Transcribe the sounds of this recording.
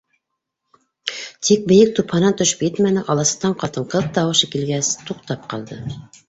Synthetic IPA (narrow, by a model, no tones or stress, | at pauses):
t̪ʰik̚bɘ̆jɘk̚t̪uphɑnɑnt̪ɵ̆ʃɵ̥pjɘt̪mænɘʔɑlˠɑsɤ̥̆qt̪ɑɴqɑt̪ɤ̆ɴqɤp̚t̪ɑwɤ̆ʃɤkilɡæst̪uqt̪ɑp̚qɑ̰lˠd̪ɤ